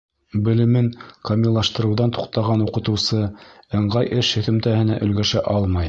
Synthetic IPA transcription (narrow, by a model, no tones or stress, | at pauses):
bɘ̆lɘ̆mɘŋkɐmʲilˠːɑʃt̪ɤ̆ɾɤ̆wðɑnt̪u̥q̚t̪ɑʁɑnuqɤ̆t̪ɤ̆wsɤɤ̆ɴɢɑjʔɘʃhɵ̆θɵ̆mt̪æhɘ̆næʔɵ̆lɡæʃæʔɑlˠmɑj